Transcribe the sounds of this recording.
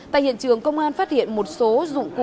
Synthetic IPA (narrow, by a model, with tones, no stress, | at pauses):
ta̰ː˧˨hḭ˧˨ənt͡ɕɨ˨˩əŋkə˧wŋ͡mʔaː˧nfaː˦˥t̚hḭ˧˨ənmo˨˩t̚so˨˦zʊ̰˧˨ŋ͡mk